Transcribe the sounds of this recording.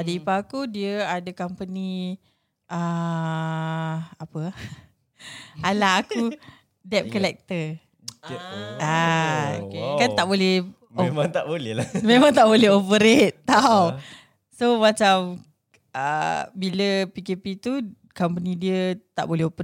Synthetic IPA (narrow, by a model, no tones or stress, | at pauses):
adəipaːkudiəadəkampənĩ | ʔə | apə | alaaku | dɛp̚kəlɛk̚t̪ə | a | kant̪aʔbolɛh | omaŋt̪aʔbolɛlamẽmaŋt̪aʔbolɛɦopəɾet̪ːaw | somat͡ʃam | ə̰biləpikepit̪u | kampənĩdiət̪a̰ʔbolɛɦopə